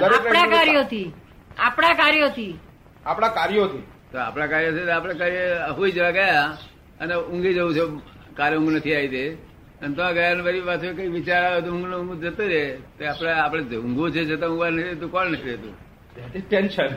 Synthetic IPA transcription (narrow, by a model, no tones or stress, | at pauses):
d̪əɾekɽãkaɾijot̪ʰi | apɽ̃akaɾjot̪ʰi | apɽ̃akaɾjot̪ʰi | t̪oa̰pɽ̃akaɾjot͡ʃʰet̪apɽ̃akaɾjeɦoid͡ʒəʋãɡəja | əneʊ̃ŋɡid͡ʒəũt͡ʃʰe | kaɾʊ̃ŋɡnət̪ʰiait̪e | ənt̪əʋãɡəjaneʋəɾiʋat̪ʰoekəiʋɪt͡ʃaɾat̪ũʊ̃ŋɡnõŋɡud͡ʒət̪eɾet̪eapɽ̃aapɽ̃ed͡ʒʊ̃ŋɡũt͡ʃʰed͡ʒət̪̬ãʊ̃ŋɡʋanəkʰiɾet̪̬ũkɔlnəkʰiɾet̪ṵ̃ | at̪iʈenʃən